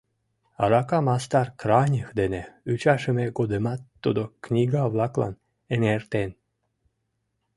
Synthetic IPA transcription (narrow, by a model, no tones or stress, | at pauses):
ɑ̰ɾɑkɑmɑst̪ɑrkranʲəxd̪eneyt͡ɕɑʃəmeɡod̪emɑt̪ːud̪oknʲiɡaβlɑklɑ̰n | enert̪en